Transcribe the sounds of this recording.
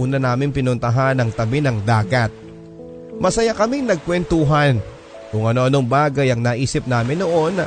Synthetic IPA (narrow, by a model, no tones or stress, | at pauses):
uːnɐnaːmɪŋpɪnʊnt̪ɐɦanɐŋt̪ɐbɪnɐŋd̪aːɡɐt̪̚ | mɐsɐjakɐmɪŋnɐɡ̚kwɛnt̪uɦɐn | kʊŋʔɐno̞ʔɐno̞ŋbaːɡɐjɐŋnɐʔiːsɪp̚naːmɪnːoʔo̞n